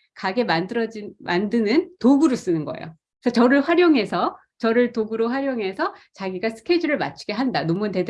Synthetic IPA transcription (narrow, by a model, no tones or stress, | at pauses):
kaɡe̞madʌd͡ʑmandɯnɯntoɡuɾos͈ɯnɯnɡʌḛjo̰ | sʰʌt͡ɕʌɾɯɭɸwaɾjoŋɦe̞sʰʌ | t͡ɕʌɾɯɭtoɡuɾoɸwaɾjoŋɦe̞sʰʌt͡ɕaɡiɡasʰɯ̥kʰed͡ʑʌɾɯɭma̰t͡ɕʰu̥ɡe̞ɦandanomunte̞d